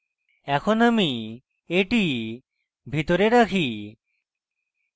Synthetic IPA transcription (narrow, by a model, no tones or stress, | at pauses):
ɛkʰonami | eʈi | bʱit̪oɾeɾakʰi